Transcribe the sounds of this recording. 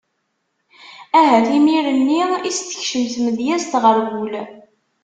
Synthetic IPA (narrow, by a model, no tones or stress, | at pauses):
æɦæθimiɾənːiist̪ə̥çʃəmθməðjæst̪ʁəɾɡul